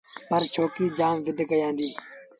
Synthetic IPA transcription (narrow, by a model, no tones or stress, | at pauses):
pəɾt͡ʃʰoːkiːd͡ʒaːmʋɪd̪ʱkəjãːnd̪iː